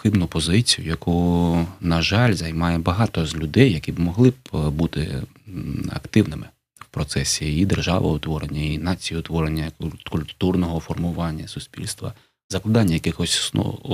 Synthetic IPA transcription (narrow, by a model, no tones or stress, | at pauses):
xɪbnʊpɔzɪt͡sʲijʊjɐkʰunɐʒɑlʲzɐjmɑjɛbɐɦɑt̪ɔzlʲʊd̪ɛjːɐkʲibmɔɦlˠɪbbut̪ɪ̰ | ɐ̰kt̪ɪwnɪmɪ | wpɾɔt̪sɛsʲiid̪erʒɑ̰ʋɐ̰ʊt̪ʋɔɾenʲːɐinɑt͡sʲijʊt̪ʋɔɾenʲːɐkʊlʲt̪urnɔɦɔfɔrmʊʋɑnʲːɐsʊsʲpʲḭlʲst̪ʋɐ̰ | zɐklˠɐd̪ɑnʲːɐjɐkɪxɔsʲsnɔ̰